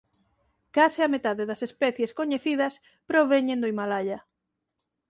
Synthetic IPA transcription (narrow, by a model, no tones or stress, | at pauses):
kasɪamet̪aðeðɐsespɛθjeskoɲeθiðɐs | pɾoβeɲẽnd̪oimalaʎɐ